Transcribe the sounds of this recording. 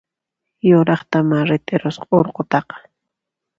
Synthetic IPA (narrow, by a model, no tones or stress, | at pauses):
joɾɑχt̪amaɾɪt̪ɪɾosqoɾqot̪ɑqɑ̥